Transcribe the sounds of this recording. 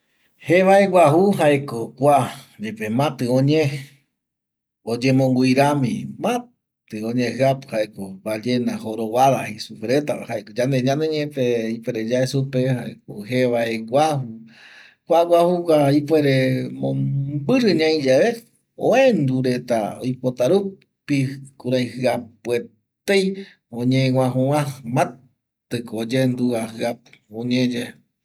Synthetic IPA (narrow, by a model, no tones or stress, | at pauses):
heʋaeɡʷwʷaɦuɦaekokʷad͡ʒepemãt̪ɨõɲẽ | od͡ʒẽmõŋɡʷiɾamḭ̃mã | t̪ɨõɲẽhɨapɨ̥haekobad͡ʒenahoɾoβaðahisupeɾet̪ahaekod͡ʒãnd̪eɲãnd̪eɲẽpeipweɾed͡ʒaesupehaḛk̚oheʋaeɡʷahu | kʷaɡʷahukʷaipweɾemõbɨɾɨɲãĩd͡ʒaʋe | õẽnd̪uɾet̪a̰o̰jpot̪aɾu | pikuɾajhɨapwe | t̪ej | õɲẽŋʷãɦũãmã | t̪ɨkod͡ʒend̪uahɨapõɲẽd͡ʒe